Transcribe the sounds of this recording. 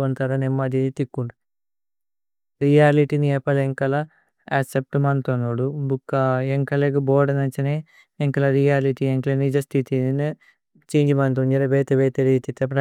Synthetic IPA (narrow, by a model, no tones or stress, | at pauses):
ɐnt̪aːɾɐnemːɐd̪it̪ikːuɳɖ | ɾijaːliʈiniɛːpɐleŋkɐlɐ | asep̚ʈumɐnt̪onoːɽubukːaeŋkɐleɡubɔːɖɐnɐt͡ʃɐne | eŋkɐlɐɾijaːliʈieŋklenid͡ʒɐst̪ʰit̪ini | t͡ʃeːɲd͡ʒimɐnt̪̬und͡ʒɐɾɐʋeːt̪eʋeːt̪eɾit̪it̪ːɐpɾɐ